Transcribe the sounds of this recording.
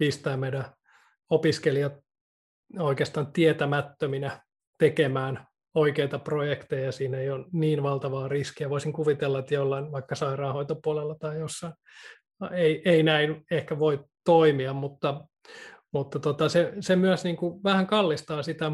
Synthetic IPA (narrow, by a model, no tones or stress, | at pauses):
pist̪æːmeidæ | opiskeliɑt̪ | oikeːst̪ɑːnt̪iet̪æmæt̪ːøminæ | t̪ekemæːn | oikeit̪ɑprojekt̪ejɑjɑsiːneijonniːnʋɑlt̪ɑʋɑːriskiæʋoisiŋkuʋit̪elːɑet̪jolːɑinʋɑikːɑsɑirɑːhoit̪opuolelːɑt̪ɑijosːɑin | eieinæinehkæʋoitt̪oimiɑmmut̪ːɑ | mut̪ːɑt̪ot̪ɑsesemyøsniːŋkuʋæhæŋkɑlːist̪ɑːsit̪æ